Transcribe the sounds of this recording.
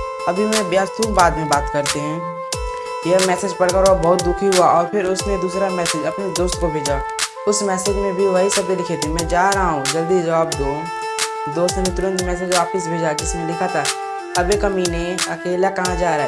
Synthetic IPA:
ɐbʱimɛ̃bjaːst̪ũbaːd̪mẽbaːt̪kɐɾt̪eɦɛ̃ː | jemɛːsed͡ʒpɐɽkəɾabɔːʊt̪̚d̪ʊkʰiɦʊaʔɔːɾpʰɪɾʊsned̪uːsɾamɛːsed͡ʒɐpned̪oːst̪kobʱeːd͡ʒa | ʊsmɛːsed͡ʒmẽbʱiʋɐɦisɐbelɪkʰet̪ẽmɛ̃ːd͡ʒaːɾɐɦaɦũd͡ʒɐld̪id͡ʒɐʋaːbd̪oː | d̪oːst̪nɪt̪ɾʊnt̪mɛːs̬ed͡ʒʋaːpɪs̬bʱeːd͡ʒad͡ʒɪsimẽlɪkʰat̪ʰaɦ | ɐbekɐmineɐkeːlakɐɦãd͡ʒaːɾɦɛ

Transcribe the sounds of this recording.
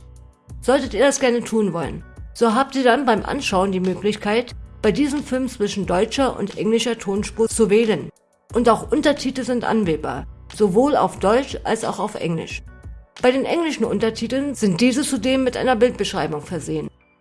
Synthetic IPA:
z̥ɔltətiːɐdɛsɡ̥ɛɐnətʰuːnvɔlə̰nz̥oɦaːp̚tiːɐdanbaɪmʔa̰nʃaʊəndiːmøːklɪçkʰaɪtb̥aɪdiːzəmfɪlmt͡sv̥ɪʃn̩dɔʏt͡ʃɐʔʊ̰ntʔɛ̰ŋlɪʃɐtʰoːnʃpʁʊt͡suvɛːlən | ʔʊntaʊxʔʊntɐtʰiːtl̩zɪntʔa̰nveːba̰ːɐz̥ovoːla̰ʊfd̥ɔʏt͡ʃʔa̰lsa̰ʊxaʊfʔɛ̰ŋlɪ̰ʃb̥aɪɾeːnʔɛŋlɪʃn̩ʔʊ̰ntɐtʰiːtl̩nz̥ɪnt̚d̥iːzət͡sudeːmːɪtʔa̰ɪnɐbɪlt̚b̥əʃʁ̥aɪbʊŋfɛɐzeːən

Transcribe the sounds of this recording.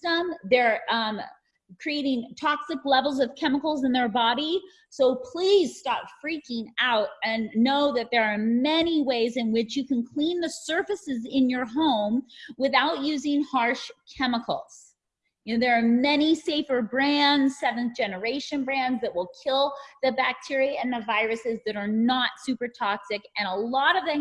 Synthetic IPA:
sʌ̃mðə˞ʌ̃m | kʰɹ̥ieɪɾɪ̃ŋtʰɑksɨklɛvl̩ˠzʌv̥kʰɛməkl̩ˠzə̃nðə˞bɑɾi | soʊpʰl̥iz̥stɑpfɹikɪ̃ŋaʊɾɨ̃nːoʊðɨt̪̚ðə˞ːmɛniweɪzɨ̃nwɪt͡ʃjɨkɨ̃n̩kʰl̥ĩnðɨsɜ˞fɨsɨzɪ̃njə˞ɦõʊ̃mwɨθaʊt̚jʉzɪ̃ŋhɑɹʃkʰɛməkʰl̩ˠz̥ | jɨʊðə˞ːmɛñiseɪfə˞bɹæ̃ndz̥sɛvɨ̃n̩d̥d͡ʒ̥ɛnə˞eɪʃɨ̃nbɹæ̃ndzðɨt̚wəlˠkʰɪlˠðɨbæk̚tʰɪɹiɨ̃nðɨvaɪɹɨsɨzðɨɾə˞nətsʉpə˞tʰɑksɨkɨ̃ñəlɔɾʌvðɨ̃

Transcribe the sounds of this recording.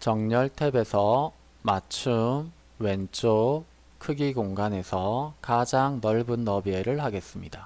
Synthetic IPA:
t͡ɕʌŋɲʌɭtʰe̞be̞sʰʌ | mat͡ɕʰum | we̞nt͡ɕ͈ʰo | kʰɯɡiɡoŋɡane̞sʰʌkad͡ʑaŋnʌɭbunːʌbie̞ɾɯɭhaɡe̞s͈ɯmɲida

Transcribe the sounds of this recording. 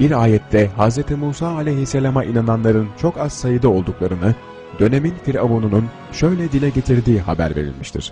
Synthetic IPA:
b̥iɾaːjɛt̪ʰːɛɦazɾet̪ʰimuːsaːlʲɛjɦiselʲamaʔinananlˠaɾɯnt͡ʃʰo̞kaz̥sajɯd̪ɯo̞lˠd̪uklˠaɾɯnɯ | d̪̥ø̞ne̞minfiɾavonunun | ʃø̞jlʲɛd̪ilʲɛɟe̞t̪ʰiɾd̪iːɦa̰bæ̰ɾve̞̰ɾḭlʲmiʃt̪ʰḭɾ̥

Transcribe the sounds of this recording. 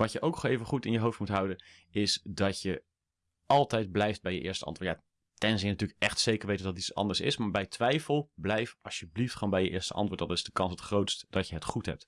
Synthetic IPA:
ʋɑtjəʔowkχejvənχutɪnjəɦowftmutɦʌwdən | ɪsdɑtjə | ʔɑlˠtɛjd̚blɛjft̚bɛjəʔɪːɹstəɑ̰ntvːtja | tɛnzɪnətyːlkʔɛχtsejkəɹʋejtədɑtisɑ̰ndəɹsɪ̰smaːɹbɛjtʰʋɛjfəlˠblɛjfɑlˠsjəbliftχoːnmbɛjəʔɪːɹstə̰ʔɑ̰ntʋʊːɹdɑnɪzdəkɑnsətχrowtstd̥ɑcjəɦətχutɦɛ̰p̚t

